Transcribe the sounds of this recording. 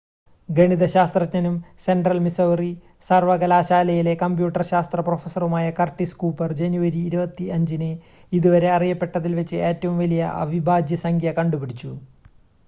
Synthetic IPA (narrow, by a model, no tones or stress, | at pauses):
ɡeɳiðɐɕaːst̪rɐkɲɐnumse̞ɳɖrɐlmisɐwri | sɐrʋɐɣɐlaːɕaːlɐjile̞kɐmbjuːʈːɐrɕaːst̪rɐprofɐsɐrumaːjɐkɐrʈːiskuːpɐrd͡ʑenjuʋɐɾiːɾubɐt̪ːiɐɲd͡ʑinɨ | iðuʋɐɾe̞ɐrijɐpːe̞ʈːɐðilʋet͡ɕːɨeːtːɐʋumʋɐlijɐ̰ʔɐ̰ʋibʱaːdʱjɐsɐŋɡʱjɐkɐɳɖupiɽit͡ɕːu